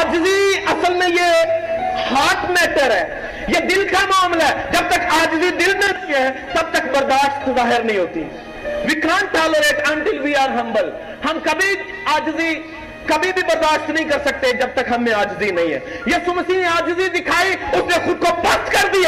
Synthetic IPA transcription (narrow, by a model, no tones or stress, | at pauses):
aːd͡ʒziɐsəlmẽjeː | haːʈmɛːʈəɾɦɛː | jeːd̪ɪlkamaːmlaɛːd͡ʒɐb̚t̪əkaːd͡ʒzid̪ɪlnẽsɛ̃t̪ɐb̚t̪əkbəɾd̪aːʃt̪zaːɦɪɾnəɦĩɦoːt̪i | ʋɪkaːnʈaːloɾeːʈɛ̃ɳʈɪlʋiːaːɾɦə̃mbəl | hɐmkɐbʱi | aːd͡ʒzi | kɐbʱibʱibəɾd̪aːʃt̪nəɦĩkɐɾsək̚t̪ed͡ʒɐb̚t̪əkɦɐmːẽaːd͡ʒzinɐĩɦɛ̰ːjiːsuməsiːnẽaːd͡ʒzid̪ɪkʰaːiʊsnẽxʊd̪̚kopəst̪kəɾd̪iaː